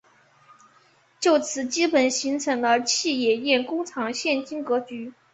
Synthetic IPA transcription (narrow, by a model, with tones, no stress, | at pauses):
t͡ɕjo˥˩ʊt͡sʰɹ̩˨˧˥t͡ɕi˥pə˨˩nɕi˧˥ŋt͡sʰɤ˧˥ŋlə˧t͡ɕʰi˥˩jɛ˨˩jɛ˥˩nkʊ˥ŋt͡sʰɑ˧˥ŋɕjɛ˥˩nt͡ɕi˥ŋkɤ˧˥t͡ɕy˧˥